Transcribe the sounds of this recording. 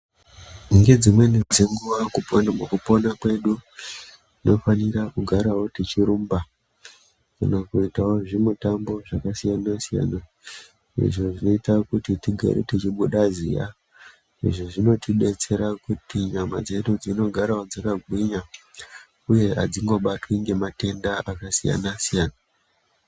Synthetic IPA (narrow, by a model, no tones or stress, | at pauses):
uŋɡe̞d͡zimwe̞nid͡zeŋɡuʋakumukupo̞nakwe̞ɗu | ino̞fanirakuɡʱaɾawo̞tit͡ʃiɾumba | kanakuitawo̞ʐimutambo̞ʐakasijanasija̰na | ḭʐo̞ʐino̞itakutitiɡʱa̰ɾḛtit͡ʃiɓuɗazḭja̰ | ḭʐoʐino̞tʰiɓe̞t͡se̞ɾakutiɲama̰d͡ze̞ɗud͡zino̞ɡʱaɾawo̞d͡zakaɡʱwiɲa | uje̞ɦa̰d͡ziŋɡo̞ɓatwiŋɡe̞mate̞ndaʔakasija̰nasijaːna